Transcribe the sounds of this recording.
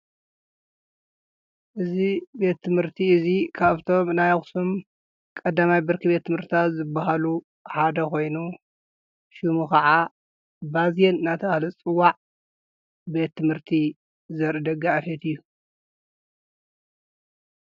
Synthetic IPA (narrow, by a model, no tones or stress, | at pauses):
ʔɨzibe̞t̪ʰːɨmhɨɾt̪ʰiɨzikʰaβt̪ʰo̞mnajxsum | kʼɐd̪amajbɨɾkʰɨbe̞t̪ʰːɨmhɨɾt̪ʰat̪zɨbːaɦalu | ħad̪ɐko̞jnu | ʃumukɐʕa | bazjenɨnat̪ʰɐβahlɐt͡sʼɨwːaʕ | be̞t̪ʰːɨmhɨɾt̪ʰi | zɐɾɨd̪ɐɡaafet̪ɨjːu